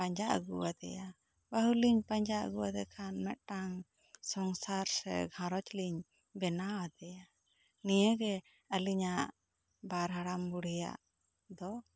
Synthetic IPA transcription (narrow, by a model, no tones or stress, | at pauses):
paɲd͡ʒaʔə̰ɡuwad̪ɛ̰ja | bəɦuliɲpaɲd͡ʒaʔə̰ɡuwad̪ɛkʰanmɛʔ̪̚ʈaŋ | sɔŋsaɾsɛ̰ɡʱãɾɔt͡ʃliɲ | bɛnawad̪ɛja | nijəɡɛ | əliɲaʔ | baɾɦaɽambuɽija̰ʔ | d̪ɔ